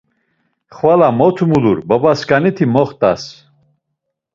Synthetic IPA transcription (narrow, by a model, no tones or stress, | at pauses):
χvalamɔt̪ʰumuluɾbɔbaskanit̪ʰimɔχt̪ʼa̰s